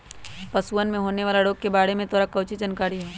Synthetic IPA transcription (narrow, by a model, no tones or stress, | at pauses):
pɐsuənmẽɦoːneʋaːlaɽoːɡ̚kebaːɽemẽt̪ɔːɾakɐʊt͡ʃid͡ʒɐnkaːɾiɦɛː